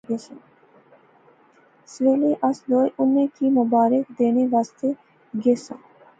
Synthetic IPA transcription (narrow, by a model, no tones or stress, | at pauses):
esə̃ | sʋeleʔasd̪oːjʔʊnːẽkimʊbaːɾɪkd̪eːneʋaːst̪e | ɡesã̰